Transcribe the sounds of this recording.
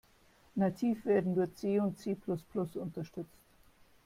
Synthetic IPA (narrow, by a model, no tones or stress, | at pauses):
natʰiːfv̥eːɐdn̩dʊɐçt͡seːʊntt͡seːpʰlʊsplʊsʊntɐʃtʏt͡st